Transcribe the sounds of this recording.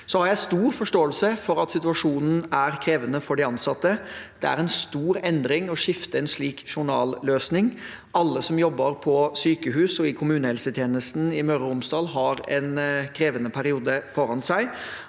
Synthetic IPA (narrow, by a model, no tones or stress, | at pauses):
sɔhɑɾjæɪst̪uːɾfɔʂʈoːəlsəfɔɾɑt̪sɪt̪ʉɑʂuːnn̩æɾkʰɾeːʋənəfɔɖɪɑnsɑt̪ːəd̪̥ɛæ̰ɾɛnst̪uːɾɛnd̪ɾɪŋɔʂɪft̪əɛnʂɭiːkʂʊɳɑːlløːsnɪŋ | ɑlːəsɔmjɔbːəɾpʰɔsyːkəɦʉːsɔɪkʰʊmʉːnəhɛlsət̪ʰjeːnəst̪n̩ɪmœɾəʊmsd̪ɑːlɦɑɾɛ̰nkʰɾeːʋənəpʰæɾɪuːd̪əfɔɾɑnsæɪ